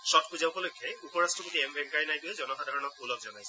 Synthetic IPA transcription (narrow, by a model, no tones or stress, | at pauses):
sɔt̚puzawkɔlojkʰːɛupɔɹastɹɔpotiɛmbʱɛŋkajnajtʊɛzɔnɔkʰadʱaɹɔnɔkulɔkzɔnajsɛ